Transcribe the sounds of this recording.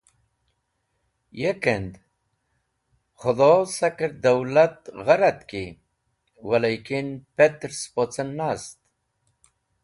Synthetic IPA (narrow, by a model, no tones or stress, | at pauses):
jekend̪ | χʊd̪oːsakəɾd̪awlat̪ɣaɾat̪ki | walajkinpet̪ɾspot͡sənːast̪